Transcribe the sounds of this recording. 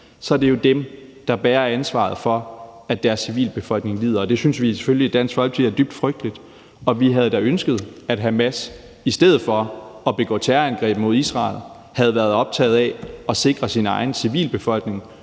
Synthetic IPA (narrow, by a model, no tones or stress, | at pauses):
sɒæɐd̥e̝jo̝d̥emd̥ɑ̈b̥æːɐænsʋɑ̰̈ð̞̩ˠfɒ̽æd̥æɐsːiʋḭːlb̥e̝fɒ̽l̰ɡ̥ne̝ŋlḭːð̞̰ˠɐɒ̽d̥e̝synsʋise̥føljlid̥æn̰sɡ̥fɒ̽l̰ɡ̥t͡sʰeæɐd̥yb̥̚d̥fʁœɡ̥̚d̥əlid̥ | ɒ̽ʋiɦæð̞̩ˠd̥æønsɡ̥əð̞̩ˠæd̥ɦæmæs | isd̥eð̩ˠfɒ̽ɒ̽b̥e̝ɡ̥ɔ̰̽ːt͡sʰæɐænɡ̥ʁɛ̰ːb̥mo̝ð̞̰ˠisʁɑ̰̈ːl̩ˠ | hæð̞ˠʋæːɐðˠɒ̽b̥̚t͡sʰɛ̰ːð̞̩ˠɛɒ̽se̝ɡ̥ʁɐsinɑ̈ɪn̩siʋḭːlb̥e̝fɒ̽l̰ɡ̥ne̝ŋ